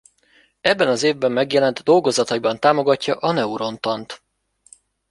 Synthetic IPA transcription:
ɛbːɛnɒzeːvbɛmːɛɡjɛlɛnt̪d̪o̞lɡo̞zɒt̪ɒibɒnt̪aːmo̞ɡɒcːɒʔɒnɛuɾo̞nt̪ɒnt̪

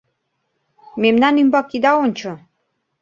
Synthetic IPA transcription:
memnɑnymbɑkːid̪ɑonʲt͡ɕo

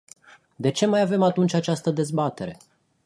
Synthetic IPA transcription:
d̪e̞t͡ʃe̞majave̞mat̪unt͡ʃʲat͡ʃast̪əd̪e̞zbat̪e̞ɾe̞

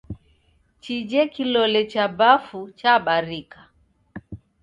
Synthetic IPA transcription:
t͡ʃid͡ʒɛkilɔlɛt͡ʃabafut͡ʃaɓaɾikḁ

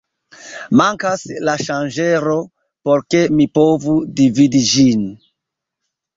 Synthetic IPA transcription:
maŋkaslaʃand͡ʒeɾo̞ | poɾke̞mipovudividid͡ʒin

